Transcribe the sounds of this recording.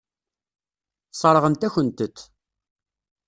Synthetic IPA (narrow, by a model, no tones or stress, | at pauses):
sˤəɾˤʁənt̪æçənt̪ət̪ː